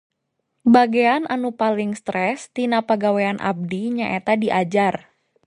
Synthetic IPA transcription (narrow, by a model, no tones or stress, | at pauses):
baɡeanʔanupalɪŋst̪ɾɛst̪inapəɡaweanʔa̰b̚diɲaʔet̪adiʔad͡ʒar